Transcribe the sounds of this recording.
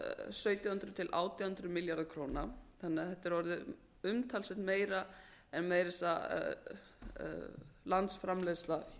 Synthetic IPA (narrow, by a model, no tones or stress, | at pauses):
sœːɥt̪jahʏnt̪ɾʏt̪ʰɪlʔa̰ːwt̪jahʏnt̪ɾʏmɪljaɾðkʰɾoːwnaθanːɪaθɛht̪ːɛɾvɔɾðʏ | ʏmt̪ʰalsɛtnmeːjɾa | ɛnmɛðɾɪsa | lant̪sfɾamlesla